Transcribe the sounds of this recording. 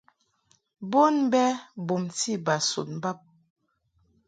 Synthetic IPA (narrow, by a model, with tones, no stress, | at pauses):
bo˦nbɛ˦bo˨mti˦ba˨sṵ˨n˨ba˦˨p̚